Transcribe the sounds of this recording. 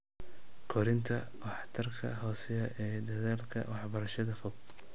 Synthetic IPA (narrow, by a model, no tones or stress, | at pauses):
kʰɔɾɪnt̪ʰɐ | wɑħt̪ʰɐrkʰɐ̰ɦɔːsɛjɐʔɛːd̪ɐðaːlkʰɐ̰wɑħbɐɾɐʃɐðɐfɔb̚